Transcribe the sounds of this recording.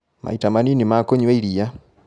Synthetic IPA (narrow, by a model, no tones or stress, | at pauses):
mʔa̰itamaninimakoɲweilija